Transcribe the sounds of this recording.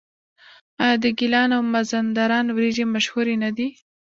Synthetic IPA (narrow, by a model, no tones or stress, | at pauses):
ɑjɑd̪əɡɪlɑnawmazand̪aɾɑnwɾeʒemaʃhuɾenad̪i